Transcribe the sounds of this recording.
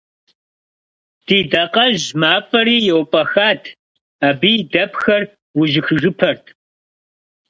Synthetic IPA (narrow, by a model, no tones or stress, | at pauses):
d̥iːdɐqʼɐʒmaːpʼɐɾiːjɛwpʼɐxaːtʰ | aːbiːdɐpxɐr | wʊʒɪxɨʒɨpʰɐrtʰ